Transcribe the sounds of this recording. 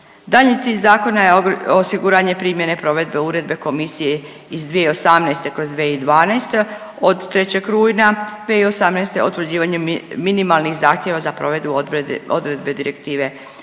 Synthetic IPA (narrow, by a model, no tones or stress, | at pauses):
d̪aʎɲit̪siːʎʲzaːko̞najeosiɡuɾaɲe̞pɾiːmje̞ne̞pɾo̞ʋe̞d̪be̞uɾe̞d̪be̞ko̞misije̞ | izd̪ʋijeio̞samnɛjst̪e̞kɾo̞zd̪ʋeid̪ʋaːnajst̪e | od̪t̪ɾe̞t͡ɕeɡkɾuːjnad̪ʋeio̞samnejst̪e̞ot̪ʋɾ̩d͡ʑiːʋaɲuminimalˠnixzaːxt̪je̞ʋazapɾoʋed̪buo̰d̪ɾe̞d̪be̞d̪iɾe̞kt̪iːʋe̞